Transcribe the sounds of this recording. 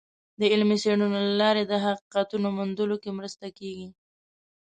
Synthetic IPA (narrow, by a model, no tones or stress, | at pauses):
d̪əɪlmiseɳunolalɑɾed̪əɦaqiqat̪unomund̪əlokemɾəst̪akeɡi